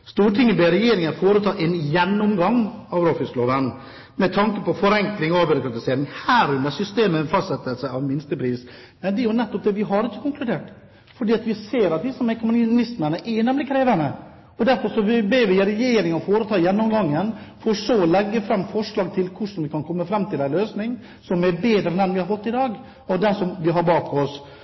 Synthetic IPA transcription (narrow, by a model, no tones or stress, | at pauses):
st̪uːʈʰɪŋːənbeːɾɛjeːɾɪŋəfoːɾət̪ʰɑːʔɛnjɛnːɔmɡɑŋːɑʋɾoːfɪst̪loːʋən | mɛt̪ʰɑŋkəpɔfɔɾɛŋklɪŋɔɑʋbɪɾʊkɾɑt̪ɪseːɾɪŋhæːɾʉnd̪əɾsʏst̪eːməfɑst̪sɛt̪ːəlsæɑʋmɪnst̪əpʰɾiːs | mɛnd̪ɛjʊnɛt̪ːɔp̚d̪ɛːʋɪɦɑɾɪçːə̥kʊŋklʉd̪eːʈ | fɔɖiːɑt̪ʋɪseːɾɑt̪̚ʋ̪ɪsɔmɛɪkʊmʊnnɪst̪mənəʔɛjnɛmlɪkʰɾeːʋənə | ɔd̪æɾfɔɾʂɔbeːʋɪɾɛjeːɾɪŋɑfoːɾət̪ʰɑːɪjɛnːɔmɡɑŋːənfɔɾʂoːlɛɡːəfɾɑmːfɔʂlɑːɡ̚t̪ʰɪlkʰʊʂn̩ʋɪkʰɑnkʰɔmːəfɾɑmːt̪ɪlæɪløːsnɪŋ | sɔmɛɾbeːd̪ɾəɛnɛnʋɪhɑɾfɔt̪ːɪd̪ɑːɡ | ɔd̪ɛnsɔmʋɪɦɑɾbɑːkʰɔs